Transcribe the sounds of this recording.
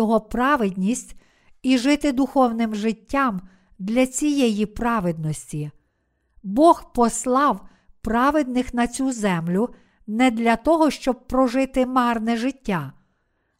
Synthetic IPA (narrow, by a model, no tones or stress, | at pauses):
ɔɦɔpɾɑʋɪd̪ʲnʲisʲtʲ | iʒɪt̪ɪd̪ʊxɔwnɪmʒɪtʲːɑm | d̪lʲɐt͡sʲijɛjipɾɑʋɪd̪̚nɔsʲtʲi | bɔxpɔslˠɑw | pɾɑʋɪd̪nɪxnɐt͡sʲuzɛmlʲʊ | nɛd̪lʲɐt̪ɔɦɔʃt͡ʃɔb̚pɾɔʒɪt̪ɪmɑrnɛʒɪtʲːa